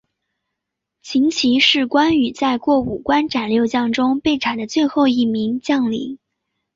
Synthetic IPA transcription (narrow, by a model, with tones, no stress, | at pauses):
t͡ɕʰi˧˥ŋt͡ɕʰi˧˥ʂɻ̩˥˩kwa˥ny˨˩t͡sa˥˧ɪkwɔ˥˩u˨˩kwa˥nʈ͡ʂa˨˩nljo˥˧ʊt͡ɕjɑ˥˩ŋʈ͡ʂʊ˥ŋpe˥˩ɪʈ͡ʂʰa˨˩nd̪ə˦t͡swe˥˧ɪxo˥˧ʊi˥˩mi˧˥ŋt͡ɕjɑ˥˩˧ŋlḭ˧˥ŋ